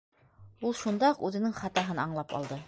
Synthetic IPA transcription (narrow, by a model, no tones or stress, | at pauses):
ulˠʃund̪ɑqʉðɘ̆nɘŋχɑt̪ɑɦɤnɑɴlˠɑpɑ̰lˠd̪ɤ